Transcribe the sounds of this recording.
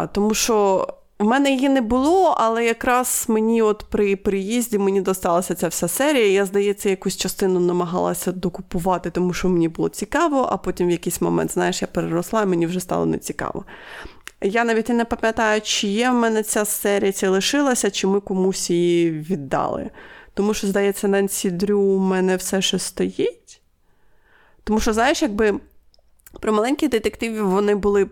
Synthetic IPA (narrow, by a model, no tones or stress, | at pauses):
t̪ɔmuʃt͡ʃɔ | wmɛnɛjijinɛbʊlˠɔɐ̰lˠɛjɐkɾɑz̥menʲiɔt̪pɾɪpɾɪjizʲdʲimenʲid̪ɔst̪ɑlˠɐsʲɐt͡sʲawsʲasɛɾʲijɐijazd̪ɐjɛt͡sʲːɐjɐkusʲt͡ʃɐst̪ɪnʊnɐmɐɦɑ̰lˠɐ̰sʲɐd̪ɔkʊpʊʋɑt̪ɪt̪ɔmuʃt͡ʃɔmenʲibʊlˠɔ̰t͡sʲikɑʋɔʔɐ̰pɔtʲimʋjɐkɪjsʲmɔmɛ̰nt̪znɑjeʃjapeɾɪɾɔslˠɑimenʲiwʒɛst̪ɑ̰lˠɔ̰nɛ̰t͡sʲi̥kɑ̰ʋɔ̰ | janɑʋʲitʲinɛpɐmʲjɐt̪ɑjʊt͡ʃɪjɛwmɛnɛt͡sʲasɛɾʲijɐt͡ʃʲɛlˠɪʃɪlˠɐsʲɐt͡ʃɪmɪkɔmusʲijiʋʲid̪ːɑ̰lˠɪ̰t̪ɔmuʃt͡ʃɔzd̪ɐjɛt͡sʲːɐnɐnʲsʲid̪ɾʲumɛnɛwsɛʃɛst̪ɔjɛtʲ | t̪ɔmuʃt͡ʃɔznɑjɪʃjɐɡ̚bɪ | pɾɔmɐlˠɛnʲkʲijd̪ɪt̪ekt̪ɪʋʲiʋɔnɪbʊlˠɪ